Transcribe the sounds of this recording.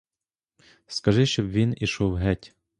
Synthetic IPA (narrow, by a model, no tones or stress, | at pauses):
skɐʒɪʃt͡ʃɔbʋʲiniʃɔwɦɛtʲ